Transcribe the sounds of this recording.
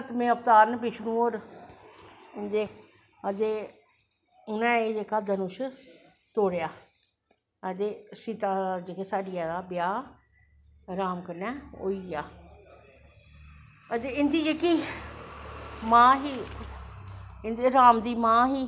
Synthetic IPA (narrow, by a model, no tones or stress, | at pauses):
t̪mẽːəpt̪aːɾnbɪt͡ʃʰnũoːɾ | ɪnd̪eː | əd̪eː | ʊnɛ̃ːed͡ʒeːkaːd̪ənʊʃə | t̪oːɽejaː | əd̪eːsiːt̪aːd͡ʒeːkeːsaːɖɪjaːd̪aːbɪjaː | ɾaːmkənɛːo̰ːiːjaː | əd̪eɪnd̪iːd͡ʒeːkiː | mãːɦiː | ɪnd̪eːɾaːmd̪iːmãːɦiː